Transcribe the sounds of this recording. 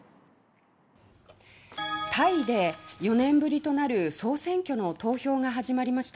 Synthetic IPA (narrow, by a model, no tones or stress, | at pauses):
t̪ʰaid̪e̞jo̞nẽ̞mbɯ̟ɾʲit̪o̞naɾɯ̟so̞ːsẽ̞ŋkʲo̞no̞t̪o̞ːço̞ːŋaɦaʑimaɾʲimaɕi̥t̪a